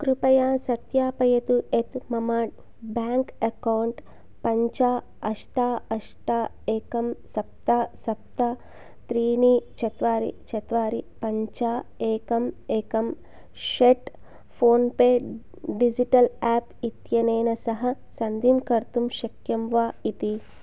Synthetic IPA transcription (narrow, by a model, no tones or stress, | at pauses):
kɾupɐjaːsɐt̪jaːpɐjɐt̪uʔet̪mɐmaːʈ | baːŋkɐkɐwɳʈ | pɐɲt͡ʃaː | ɐʂʈaːɐʂʈaː | eːkɐmsɐp̚t̪aːsɐp̚t̪aː | t̪ɾiːniːt͡ʃɐt̪ʋaːɾḭt͡ʃɐt̪ʋaːɾipɐɲt͡ʃaːeːkɐmeːkɐm | ʃeʈ | pʰoːnpeː | ɖid͡ʒiʈɐlaːpit̪jɐneːnɐsɐɦɐ̆sɐnd̪imkɐɾt̪umʃɐkjɐmʋaːit̪i